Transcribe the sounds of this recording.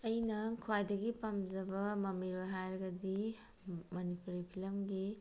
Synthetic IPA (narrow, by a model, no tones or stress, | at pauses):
ɐjnɐkʰuwajdɐɡipɐmd͡ʒɐbɐmɐmiɾojɦajɾɐɡɐdi | mɐnipuɾipʰilɐmɡi